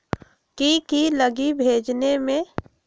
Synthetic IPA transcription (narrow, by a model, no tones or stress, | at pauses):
kikiləɡibʱeːd͡ʒnemẽ